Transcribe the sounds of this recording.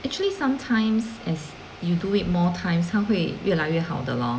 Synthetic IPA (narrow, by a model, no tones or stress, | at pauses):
ʔɛk̚t͡ʃuəlisãmtʰãɪ̃msɛs | juduit̚mɔtʰãɪ̃mshaɦwejʔɛlaɥɛha̰wdə̰lɔ̰̃